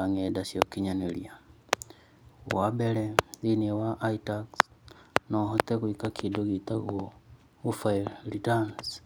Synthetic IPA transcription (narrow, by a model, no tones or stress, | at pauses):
aŋɛdasjokiɲanelia | wabɛɾɛzinewaʔːitaksnɔɦotɛɣuikakʰidoɣitaɣwo | ɣufailɾitans